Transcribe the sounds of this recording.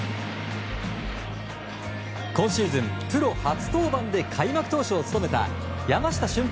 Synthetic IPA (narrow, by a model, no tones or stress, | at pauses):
kõ̞ɰ̃ɕiːzɨ̃mpɯ̟ɾo̞hat͡sɨ̥t̪o̞ːbãnd̪e̞kʰaimakɯ̟̥t̪o̞ːɕoːt͡sɨ̥t̪o̞me̞t̪a̰ | jamaɕi̥t̪aɕɨ̃mp